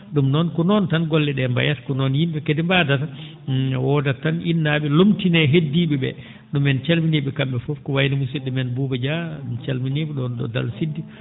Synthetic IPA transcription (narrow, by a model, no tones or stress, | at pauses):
ɗumnɔnkɔnɔntanɡɔlːɛɗɛmba̰jatkɔnɔnjimbɛkedimbadata | wɔdatanʔinːaɓɛlomtinɛɦedːiːɓɛbɛ̰ | ɗumɛnt͡ʃalminiɓɛkambɛfɔfkɔwajnimusiɗɛmɛnbuːbad͡ʒant͡ʃalminiɓɛɗɔnɗɔ̰da̰lsidːi